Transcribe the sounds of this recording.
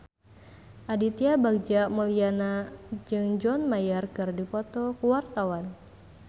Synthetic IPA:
ʔadit̪iabak̚d͡ʒamɔlianad͡ʒɨŋd͡ʒɔnmajarkɨrdipɔt̪ɔkuwart̪awan

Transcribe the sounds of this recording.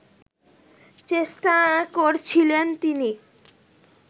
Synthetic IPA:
t͡ɕeʃʈakoɾt͡ɕʰilent̪ini

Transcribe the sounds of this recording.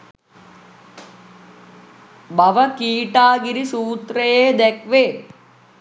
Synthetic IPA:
bɐʋəkiːʈaːɡiɾisuːt̪ɾəjeːd̪ɛkʋe

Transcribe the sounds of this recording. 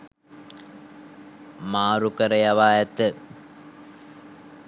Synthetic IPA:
maːɾukəɾɐjaʋaːjɐt̪ə

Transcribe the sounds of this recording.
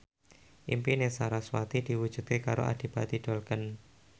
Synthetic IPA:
ʔḭmpinesaɾaswat̪id̥i̤wud̥ʒ̥ṳd̪̚kekaɾo̰ʔa̰d̥i̤b̥at̪iɖ̥o̤lkən

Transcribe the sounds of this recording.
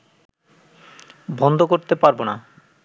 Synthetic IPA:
bʱɔnd̪ʱokoɾt̪epaɾbona

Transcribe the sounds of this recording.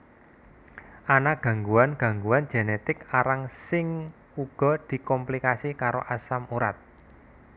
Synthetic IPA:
ʔanaɡ̥ä̤ŋɡuanɡ̥ä̤ŋɡuwand͡ʒ̥e̤net̪ɪkaɾaŋsɪŋ | uɡ̥ɔ̤d̪̥i̤kɔmplikasikaɾoʔasamuɾat̪̚

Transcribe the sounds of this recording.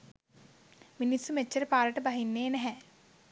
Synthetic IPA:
minisːumet͡ʃːəɾəpaːɾəʈəbaɦinːeːnɛɦɛ

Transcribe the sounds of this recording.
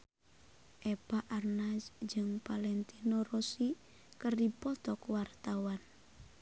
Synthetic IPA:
ʔɛpaʔarnasd͡ʒɨŋpalɛnt̪inorɔsi | kɨrdipɔt̪ɔkwart̪awan

